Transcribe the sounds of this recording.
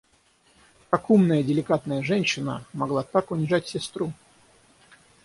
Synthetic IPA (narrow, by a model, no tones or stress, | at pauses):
kɐkumnəjədʲɪlʲɪkat̪nəjəʐɛnʲɕːɪnə̰mɐɡlˠat̪akʊnʲɪʐatʲsʲɪst̪ɾu